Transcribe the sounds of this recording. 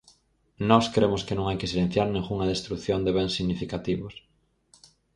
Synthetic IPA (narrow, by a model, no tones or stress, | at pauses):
nɔskɾemoskenõŋajkesilẽn̟θjaɾnẽŋɣuŋað̞est̪ɾukθjond̪eβensːiɣnifikat̪iβos